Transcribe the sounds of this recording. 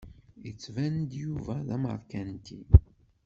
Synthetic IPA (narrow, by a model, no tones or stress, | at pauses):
ət͡sːvænd̪juvæðæmə̰ɾˤkænt̪i